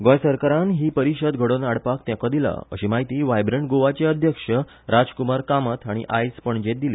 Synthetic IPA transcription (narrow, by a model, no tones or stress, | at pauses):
ɡɔ̃jsəɾkaɾãnɦiːpəɾiɕəd̪ɡʱəɽonaɽpakt̪ãkɔd̪ila̰ə̰ɕemaɦit̪iːʋajbɾəɳɡoʋat͡ɕeəd̪ʱjəkʂə | ɾad͡zkumaɾkamət̪ʰaɽ̃ḭʔajspəɳd͡ʑet̪̚d̪ile